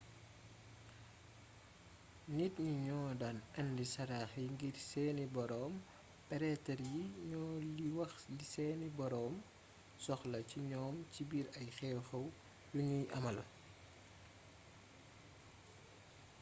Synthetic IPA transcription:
nitɲiɲɔːdanɐndisɐɾaːxjiŋɡirsɛːnibɔɾɔːm | pɛɾɛtɐrjiɲɔːliwɐxlisɛːnibɔɾɔːm | sɔxlɐciɲɔːmcibiːɾɐjxɛwxɐw | juɲujʔɐmɐl

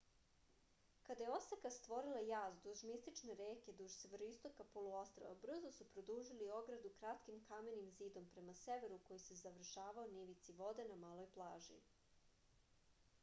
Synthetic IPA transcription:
kad̪ajeosekast̪ʋo̞ɾilˠajaːzd̪uʒmist̪it͡ʃneɾeːke̞d̪uʒseʋeɾoist̪o̞kapolˠuost̪ɾo̰ʋa̰br̩zosupɾo̞d̪uːʒilio̞ɡɾad̪ukɾat̪kimkame̞nimziːd̪o̞mpɾe̞maseʋe̞ɾuko̞jise̞zaʋr̩ʃaːʋaoniʋit̪siʋo̞d̪e̞namaːlˠo̞jplˠaːʒḭ

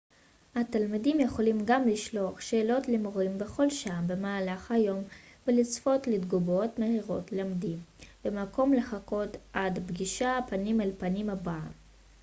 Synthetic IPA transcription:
hatalmidimjeχo̞limɡamliʃlo̞aχʃe̞ːlo̞tlemoʁimbe̞χo̞lʃaːmbe̞maːlaχhajo̞mvelit͡sfo̞tlidɡubo̞tmehiʁo̞tleamdimbemako̞mle̞χako̞tʔadbɡiʃapanimelpanimaba

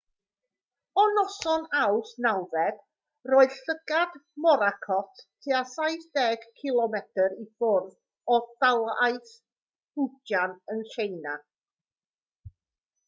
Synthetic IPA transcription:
ɔnɔsɔnawsnawvɛd̥ | rɔːɨð̥ɬəɡ̥admɔɾakʰɔtʰtʰeasajθdɛːɡ̥kʰɪlˠɔmɛtʰəɾifʊrv | ɔdalˠajθ | hʊd͡ʒanənɬejna

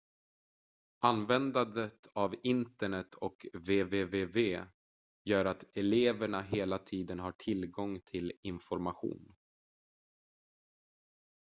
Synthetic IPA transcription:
ʔanvɛnd̪ad̪ət̪ʰavɪnt̪əɳɛt̪ʰːɔkveːveːveːveː | jœːɾat̪ɛleːvəɳaɦeːlat̪ʰiːd̪ənɦaʈʰɪlɡɔŋt̪ʰɪlɪnfɔɾmaɧṵːn

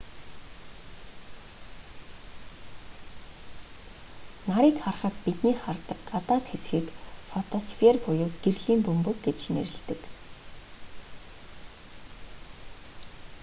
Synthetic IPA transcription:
naɾiːkχarχə̆t̪pit̪niːχart̪ə̆kɢat̪aːt̪xesxiːkfɔt̪ʰɔsfʰerpʊjʊːɡ̥erɮiːmpɵmpɵ̆kɡet͡ɕnḛɾɘ̆ɮt̪ɘ̆k

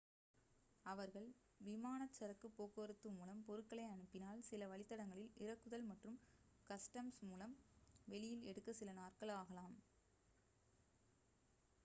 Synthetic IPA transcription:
ɐʋɐɾɣɐɭʋɪmaːnɐt͡ʃːɐɾɐkːɯpːoːkɯɐɾɯt̪ːɯmuːlɐmpɔɾɯkːɐɭɐɪɐɳɯpːɪnaːlsɪlɐʋɐɭɪt̪ːɐɽɐŋɡɐɭɪlɪɾɐkːɯðɐlmɐʈrɯm | kɐsʈɐmsmuːlɐmʋɛɭɪjɪlɛɽɯkːɐsɪlɐnaːrkɐɭaːɣɐlaːm

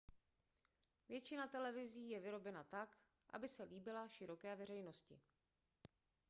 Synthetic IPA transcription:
vjɛt͡ʃɪnat̪ɛlɛvɪziːjɛvɪɾo̞bɛnat̪ak | ʔa̰bɪsɛliːbɪlaʃɪɾo̞kɛːvɛr̝ɛjno̞scɪ̰

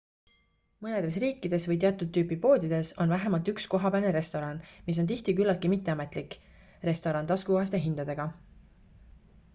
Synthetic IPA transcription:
mɤne̞d̪̥e̞s̬riːkːˑid̪̥e̞svɤjt̪eɑt̪ˑud̪̚t̪ːyːpipo̞ːd̪id̪̥e̞so̞nvæɦe̞mɑlt̪yksko̞ɦɑpæneɾe̞st̪o̞ɾɑnmis̬o̞nt̪̬iht̪ikylːɑlt̪kimit̪ːˑe̞ɑme̞t̪ˑlikːˑ | re̞st̪o̞ɾɑnt̪ɑskuoɦɑs̬t̪e̞ɦind̪̥ɑd̪̥e̞ɡ̥ɑ

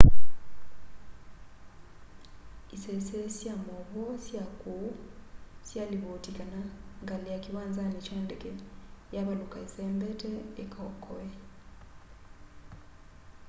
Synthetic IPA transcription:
isɛsesjamɔβɔsjakusjaliβotikanaŋɡalijakiwanzanit͡ʃɛndɛkɛjaβalukaisɛmbɛtɛekʰɔkʰɔɛ

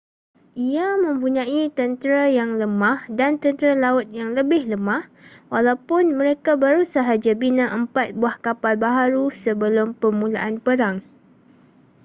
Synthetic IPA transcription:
ʔiamə̃mpuɲãit̪ənt̪əɾajaŋləmãhdant̪ənt̪ɾalaʊt̪̚jaŋləbɪhləmãh | walawpʊnmə̃ɾekabaɾusaɦad͡ʒabinãʔəmpat̪̚buahkapalbaɦaɾusəbəlʊmpəmũla̰ʔanpəɾaŋ

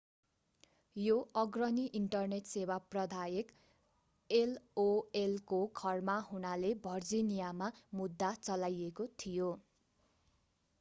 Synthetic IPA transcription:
joʌɡrʌniʔiɳʈʌrneʈsewaprʌd̪ʱajek | eloelkokʰʌrmaɦunalebʱʌrd͡zinijamamud̪ːat͡sʌlajekot̪ʰijo

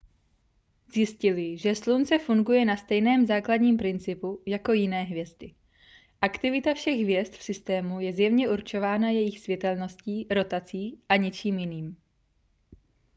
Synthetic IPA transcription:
zjɪscɪlɪʒɛslunt͡sɛfuŋɡujɛnast̪ɛjnɛːmzaːkladɲiːmpɾɪnt͡sɪpujako̞jɪnɛːɦvjɛzd̪ɪ | ʔakt̪ɪvɪt̪afʃɛɣɦvjɛst̪fsɪst̪ɛːmujɛzjɛvɲɛʔuɾt͡ʃo̞vaːnajɛjɪxsvjɛt̪ɛlno̞sciːɾo̞t̪at͡siːʔaɲɛt͡ʃiːmjɪniːm

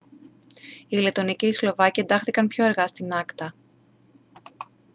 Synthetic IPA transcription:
ile̞t̪o̞niceislo̞vɐciend̪ɐxθikɐnpço̞eɾɣɐst̪inɐkt̪ɐ

